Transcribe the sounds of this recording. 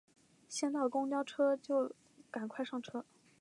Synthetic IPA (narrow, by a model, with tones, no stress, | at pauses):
ɕjɛ˥˧nt̪a˥˩ɪd̪ə˩kʊ˥ŋt͡ɕjɑ˥ʊʈ͡ʂʰɤ˥t͡ɕjo˥˩ʊ | ka˨˩nkʰwa˥˧ɪʂɑ˥˩ŋʈ͡ʂʰɤ˥